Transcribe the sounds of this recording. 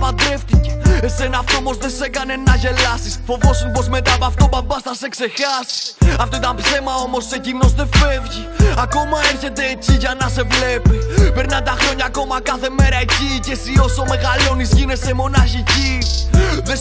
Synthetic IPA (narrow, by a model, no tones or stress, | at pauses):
pɐd̪ɾe̞ft̪ice̞ese̞nɐːft̪oomo̞zðe̞se̞kɐne̞nːɐʝe̞lɐsisfo̞vo̞spo̞zme̞t̪aːpɐft̪o̞bɐbɐsθɐse̞kse̞xɐsi̥ɐft̪o̞it̪ɐmpθe̞mɐo̞mo̞secino̞zðe̞fe̞vʝiɐko̞mɐeɾçe̞t̪e̞ːciʝɐnɐse̞vle̞pipe̞ɾnɐt̪ɐxɾo̞ɲɐːko̞mɐkɐθe̞me̞ɾɐecicesio̞some̞ɣɐlo̞nizʝine̞semo̞nɐçici | ðe